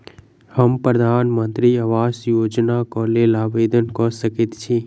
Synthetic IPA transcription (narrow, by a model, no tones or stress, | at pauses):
həmpɾəd̪ʱaːnmənt̪ɾiəʋaːsjoːd͡ʒnakɔlelaːʋed̪ənkɔsəkit̪t͡ʃʰĩ